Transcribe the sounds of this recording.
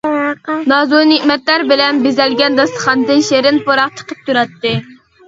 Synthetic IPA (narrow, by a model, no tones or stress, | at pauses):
nɑzonɪkmɛt̪læɾbɪlɛnbezɛlɡʲɛnd̪ɑslˠə̥χɑnd̪ɨnʃeɾɪnpoɾɑqt͡ʃʰə̥qʰə̥p̚t̪ʰuɾɑt̪ːɨ